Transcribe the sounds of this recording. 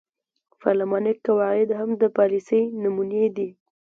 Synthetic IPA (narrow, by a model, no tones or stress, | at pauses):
fa̰lamɑnɪkːawɑɪd̪ɦamd̪əpɑlisəjnumuned̪i